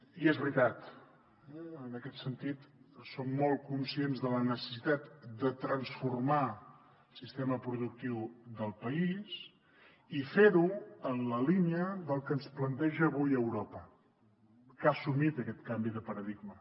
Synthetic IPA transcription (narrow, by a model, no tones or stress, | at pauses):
iɛzβɾit̪at̪ | ənəkɛt̪sənt̪it̪somːɔlˠkunsienzðələnəsə̥sit̪at̪d̪ət̪ɾənsfurma | lˠsist̪eməpɾuðuk̚t̪iwðəlˠpəis | ifeɾuənləliniəðəlˠkənsplənt̪ɛʒəːβujəwɾɔpə | kasumit̪əkɛt̪kambiðəpəɾəðiɡmə